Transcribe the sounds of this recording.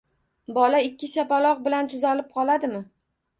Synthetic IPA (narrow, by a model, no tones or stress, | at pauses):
bɒlaɪkʲːɪʃapalˠɒq̚bɪlant̪ʰʊzalɪp̚qʰɒlˠad̪ɪmɪ